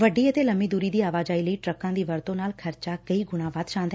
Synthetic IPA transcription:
ʋəɖiːet̪eləmiːd̪uːɾiːd̪iːaːʋaːd͡ʒaːiləiːʈɾəkãːd̪iːʋəɾt̪õnaːlkʰəɾt͡ʃaːkəiːɡʊɽ̃ãːʋaːt̪ʃãːnd̪ɦɛ

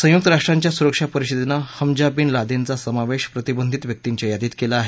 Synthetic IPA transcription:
sə̃juk̚t̪əɾaʂʈɾaɲt͡ɕjasuɾəkʂapəɾiɕid̪nahəmd͡ʑabiːnlad̪ent͡sasəmaʋeɕpɾət̪ibənd̪ʱit̪ʋjək̚t̪iɲt͡ɕajad̪ʱit̪kelaːɦe

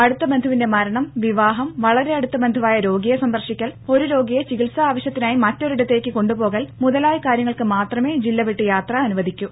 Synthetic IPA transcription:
ɐɽut̪ːɐbɐnd̪ʱuʋinde̞mɐɾɐɳɐmʋiʋaːɦɐmʋɐɭɐɾe̞ɐɽut̪ːɐbend̪ʱuʋaːjɐɾo̞ːɡijɐsɐnd̪ɐrʂikʲːɐlo̞ɾuɾo̞ːɡijɐt͡ɕiɣiɭsɐaːʋɐɕjɐt̪ːinaːjimɐtːo̞ɾuɽɐt̪ːe̞ːkʲːɨko̞ɳɖupo̞ːɣɐːlmuðɐlaːjɐkaːɾjɐŋːɐɭkɨmaːt̪rɐme̞ːd͡ʑilːɐʋiʈːɨjaːt̪rɐɐnuʋɐðʱikʲːu

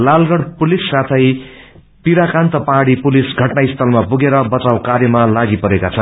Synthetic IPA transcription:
lalɡʌɽpulisːat̪ʰʌj | piɾakant̪ʌpaɽipulisɡʱʌʈnajist̪ʰʌlmapuɡeɾʌbʌt͡sawkaɾjʌmalaɡipʌɾekat͡sʰʌn

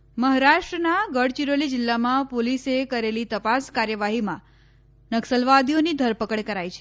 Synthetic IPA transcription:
məɦaɾaʃʈɾənaɡəɽt͡ʃiɾolid͡ʒɪlːamãpolisekəɾelit̪əpaskaɾjəʋaɦimã̰ | nəksəlʋad̪ʱionid̪ʱəɾpəkəɳkəɾajt͡ʃʰe̥

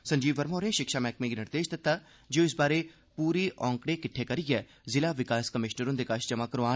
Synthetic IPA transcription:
sɐ̃ɲd͡ʒiːʋəɾmoːɾẽʃɪkʃaːmɛːkmẽɡinɪɾd̪eːd͡ʒt̪ɪt̪ːa | d͡ʒeːoɪsbaːɾe | puːɾiʔɔ̃ːŋkɽekɪʈʰːekɐɾɪjɛː | zɪlaʋɪkaːskəmɪʃnəɾõnd̪ekaʃd͡ʒɐmakəɾaː

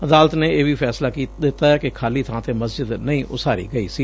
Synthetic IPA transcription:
əd̪aːlət̪neːeːʋiːfʰɛːslaːkiːd̪ɪt̪ːaːɛːkɪkʰaːliːt̪ʰãːt̪eːməsd͡ʒɪd̪nəĩːʔʊsaːɾḭːɡəiːsiː

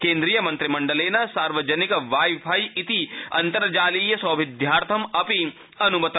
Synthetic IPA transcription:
kẽːnd̪ɾijɐmɐ̃nt̪ɾimɐ̃ɳɖɐleːnɐsaːɾʋɐd͡ʒɐnikʋaːjbʱajit̪iɐ̰nt̪ɐɾd͡ʒaːliːjɐsɐːʋɪd̪ʱjaːɾt̪ʰɐmɐpi | ɐnumɐt̪

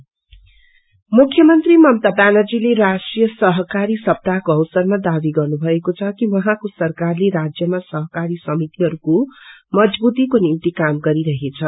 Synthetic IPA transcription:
mukʰːjʌmʌnt̪rimʌmt̪abanʌd͡zileɾasʈrijʌsʌɦʌkaɾisʌb̚t̪akoʌwsʌrmad̪abiɡʌrnubʱʌekot͡sʰʌkiwʌɦãkosʌrkarleɾad͡zjʌmasʌɦʌkaɾisʌmit̪iɦʌɾukomʌd͡zbut̪ikonimt̪ikamɡʌɾiɾʌɦet͡sʰʌ

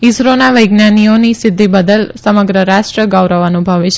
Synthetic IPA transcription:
ɪsɾonaʋəjɡnanionisɪd̪ʱːibəd̪əlsəməɡɾəɾaʃʈɾəɡaʋɾaʋanũbʱaʋet͡ʃʰ

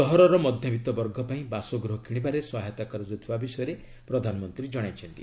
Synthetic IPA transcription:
tɔɦɔɾɔɾɔmɔd̪ʱjɔbit̪ɔbɔɾɡʱɔpaĩbasɔɡɾɔɦɔkʰiɽ̃ibaɾeswɔɦɔt̪akɔɾɔd͡ʒɔt̪ʰibabisɔjɔɾe | pɾɔd̪ʱanɔmɔnt̪ɾid͡ʒɔɽ̃ajt͡ʃʰɔnt̪ḭ

